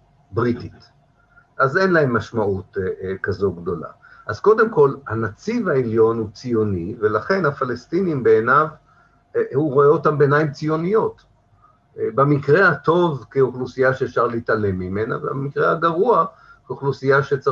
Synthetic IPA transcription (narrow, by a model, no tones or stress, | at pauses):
bʁitit | ʔaze̞nlahe̞mːaʃmaʔutkazo̞ɡdo̞la̰ | ʔazko̞d̪e̞mko̞lhanat͡sivhaeljo̞nhut͡sijo̞nive̞laχe̞nhafalestinimbe̞ːnav | huʁo̞eo̞tambeːnaimt͡sijo̞nijo̞t | bemikʁe̞hato̞vkeoχlusijaʃeːfʃaʁleitale̞mːimena̰vemikʁehaɡaʁua | koχlusijaʃet͡sa